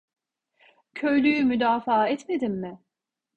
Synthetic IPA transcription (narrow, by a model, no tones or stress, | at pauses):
cʰø̞jlʲyjymyd̪aːfaːɛt̪me̞d̪imːɪ